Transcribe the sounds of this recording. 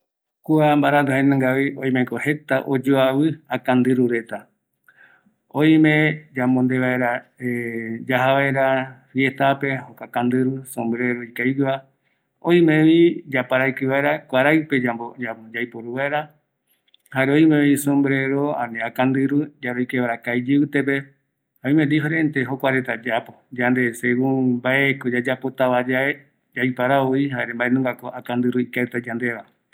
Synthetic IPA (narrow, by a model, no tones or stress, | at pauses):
kuambaɾand̪ohenẽŋɡaβiʔõj̃mekohe̞t̪aʔod͡ʒoaβɨakãnd̪ɨɾuɾe̞t̪a | õj̃mẽd͡ʒamõnd̪eβaeɾaed͡ʒaɦaβaeɾafje̞t̪ape̞hokakãnd̪ɨɾusõmbɾeɾoikajd͡ʒa | õj̃mẽβid͡ʒapaɾajkɨβaeɾakʷaɾajpe̞d͡ʒabod͡ʒamd͡ʒaipoɾuβaeɾa | haɾeoimẽβĩsõmbɾeɾoã̰nĩakand̪ɨɾud͡ʒaɾoikeβaɾakaid͡ʒɨɨt̪epe | haojimend̪iɦoɾent̪eɦokʷaɾet̪ad͡ʒapod͡ʒand̪eseβũmbaekod͡ʒad͡ʒapot̪aβad͡ʒa | d͡ʒajpaɾaoiɦaeɾembaenũŋɡakoakand̪ɨɾuikaet̪ad͡ʒand̪eβa